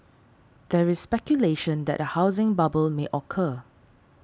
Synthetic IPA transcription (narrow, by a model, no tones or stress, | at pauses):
d̥ɛɹɪsspɛkjuleʃə̃ndɛ̰ʔ̚dəhaʊzɪ̃ŋbabəlmeʔɔkʰə